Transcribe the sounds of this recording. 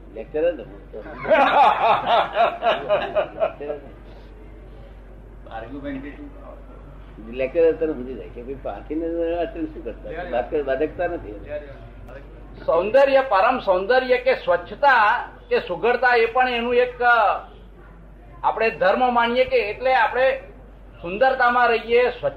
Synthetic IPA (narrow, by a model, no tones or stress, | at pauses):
lek̚t͡ʃəɾəəit̪ə | ek̚t͡ʃəɾ | ilek̚t͡ʃəɾət̪əɾɦũd͡ʒ̪id͡ʒa̰jkebəipa̰ã̰t̪ʰineat͡ʃənʃũkəɾt̪abat̪̚kəɾbad̪ək̚t̪anət̪ʰi | sə̃nd̪əɾjəpəɾəmsə̃nd̪əɾjəkesʋətːʃʰət̪a | kesuɡʱəɽt̪aepəɳenũek | apɽ̃ed̪ʱəɾməmaɳijekeːʈleapɽ̃e | sʊnd̪əɾt̪amãɾəɦijesʋə